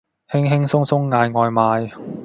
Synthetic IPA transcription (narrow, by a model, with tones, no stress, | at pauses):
hɪ˥ŋɦɪ˥ŋsʊ˥ŋsʊ˥ŋːaː˨˧jŋɔː˨jmaː˨˧j